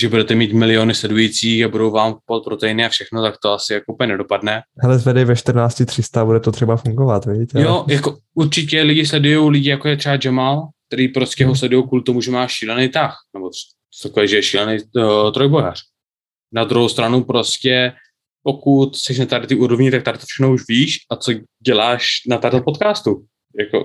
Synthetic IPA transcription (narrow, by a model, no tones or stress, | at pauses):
ʒɛbudɛt̪ɛmiːt̪mɪlɪo̞nɪslɛdujit͡siːxabudo̞wvaːmpot̪̚pɾo̞t̪ɛjɪnɪafʃɛxno̞t̪akt̪oasɪjakoʔupəɲɛnɛdo̞padnɛɦɛlɛzvɛdɛvɛʃt̪r̩naːt͡scɪt̪r̥ɪst̪abudɛt̪ot̪r̥ɛbafuŋɡovat̪vɪɟit̪ɛjojako | uɾt͡ʃɪcɛlɪɟɪs̬lɛdujo̞wlɪɟɪjakojɛt̪r̥ɛbad͡ʒɛmalk̚t̪ɛɾiːpɾo̞scɛɦo̞s̬lɛdujowkuːlɪt̪omuʒɛmaːʃiːlɛnejt̪axnɛbo̞̥ | t̪akovɛːʒɛjɛʃiːlɛnejt̪ɾo̞jboja̰r̥ | nad̪ɾuɦowst̪ɾanupɾo̞scɛ | po̞kut̪sɛʃ̬nat̪aɾt̪iːʔuɾovɲɪt̪ak̚t̪aɾt̪o̥fʃɛ̥xnouʃviːʃʔat͡so̞ɟɛlaːʃnat̪aɾlɛt̪̚pot̪kaːst̪u | jako̰